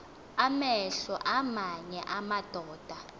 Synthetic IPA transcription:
amɛɬɔʔamaɲɛʔamad̥ʱɔːd̥ʱa

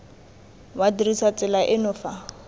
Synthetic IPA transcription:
wadirisat͡sʼɪlaʔɪnʊfa

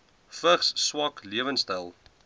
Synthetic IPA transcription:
fəχsːwɐkliəvənstɛlˠ

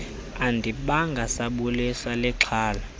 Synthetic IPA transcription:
andʱiɓaŋɡʱasaɓulisalɛǁʰaːla

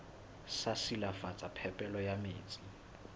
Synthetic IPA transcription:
sasilafat͡sʼapʰɛpʼɛlɔjamḛːt͡sʼi

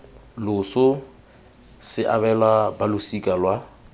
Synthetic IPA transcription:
lʊsʊ | sɪʔa̰bɛlwabalʊsikʼalwa

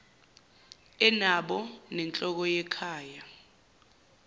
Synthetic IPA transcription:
ɛnaɓɔnɛnt͡ɬʼɔk̬ɔjɛkʰaːja

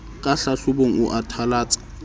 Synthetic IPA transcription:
kʼaɬaɬʊboŋ̩ʊ̰ʔatʰalaːt͡sʼḁ

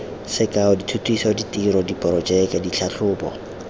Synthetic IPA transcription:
sɪkʼaʊditʰutʰwisɔditʼiɾɔdipʼɔɾɔt͡ʃɛkɛdit͡ɬʰaɬʰʊːpɔ̰

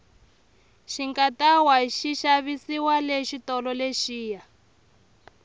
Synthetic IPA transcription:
ʃiŋkatawaʃiʃaβisiwaleʃitɔlɔleʃiːja

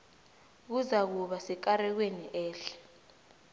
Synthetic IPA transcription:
k̬uzak̬uɓasɛkaɾɛk̬weniʔɛːɬɛ̥

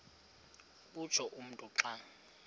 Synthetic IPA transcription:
ɓu̥t͡ʃʰɔʔum̩tʼuǁaːŋ

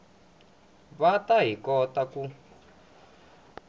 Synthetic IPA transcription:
βataɦikɔtaku

